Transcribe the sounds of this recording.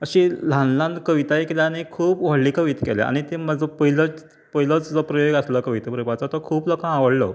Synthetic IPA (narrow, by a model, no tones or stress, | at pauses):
əɕilãnlãnd̪kəʋit̪aekilanikʰuːpʋaɭliːkəʋit̪kɛlḛa̰ñit̪eməd͡zəpəɦilə | pəɦilət͡sd͡zɔpɾəjoɡəsləkəʋit̪pɾəbat͡sat̪ɔkʰuːpləkããʋəɽlə̰